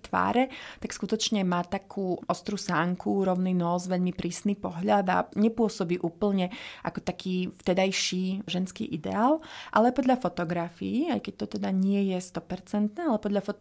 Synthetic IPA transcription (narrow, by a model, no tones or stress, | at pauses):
t̪ʋa̰ːɾɛt̪akskut̪ɔt͡ʃɲɛmaːt̪akʰuːʔɔst̪ɾusaŋkʰuɾɔʊninɔːzʋɛʎmipɾiːsnipɔɦʎad̪a̰ɲɛpʊɔsɔbiːʔuːpl̩ɲɛʔa̰kɔt̪akʰiːft̪ɛd̪ajʃiːʒɛnskḭːʔid̪ɛ̰aːlˠʔa̰lɛapɔd̪ʎafɔt̪ɔɡɾafḭiajkɛc̚t̪ɔt̪ɛd̪aɲɪɛjɛst̪ɔpɛɾt͡sɛnt̪nɛːalɛpɔd̪ʎafɔ